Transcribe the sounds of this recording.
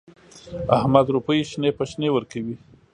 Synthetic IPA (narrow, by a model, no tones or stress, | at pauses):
ahmad̪ɾupəjʃnepəʃnewəɾkawi